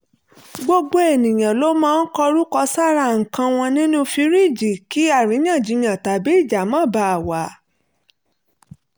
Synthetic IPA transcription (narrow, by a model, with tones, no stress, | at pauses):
ɡ͡bo˧ɡ͡bo˧˦e˨nĩ˨j̃ã˨lo˦mãː˦˧n̩˦kɔ˧ɾu˦kɔ˧sa˦ɾa˦˨ŋ̩˨kã˧w̃ɔ̃˧nĩ˦nũ˦fi˧˦ɾi˦˨d͡ʒi˨ki˨˦a˦˨ɾĩ˨˦j̃ã˦˨d͡ʒi˨˧˦jã˨ta˨˦bi˨˦i˦˨d͡ʒa˨˦mã˦˨ba˨˧a˨wa˨˦